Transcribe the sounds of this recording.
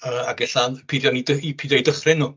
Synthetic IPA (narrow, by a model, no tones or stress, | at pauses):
əːaɡɛɬanpʰiðjɔnidəipʰiðjɔjdəχrɪnːuː